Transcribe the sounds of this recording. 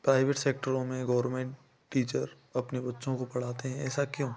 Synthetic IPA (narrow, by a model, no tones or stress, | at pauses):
pɾaːɪʋeʈseːk̚ʈəɾõmẽɡɐːɾmẽːɳʈː | iːt͡ʃəɾ | ɐpnebɐtːʃõkopɐɽ̤aːt̪eɦɛ̃ɛ̰ːsakjõː